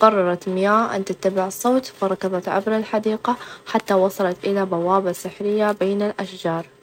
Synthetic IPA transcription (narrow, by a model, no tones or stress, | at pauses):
qɑrˤːɑɾˤɑt̪mɪjaːʔa̰nt̪ɪt̪ːabɪʕɨsˤːoːt̪fɑɾˤɑkːɑðˤɑt̪ʕa̰bɾɪlħad̪iːqaħat̪ːawɑsˤɑlɑt̪ʔɪlabawaːbasɪħɾɪjːabeːnɪlʔaʃd͡ʒɑːɾˤ